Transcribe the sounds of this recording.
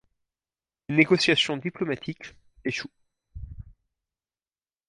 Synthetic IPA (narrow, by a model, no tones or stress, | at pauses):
leneɡɔsjasjɔ̃d̪iplɔmat̪ʰik | eʃu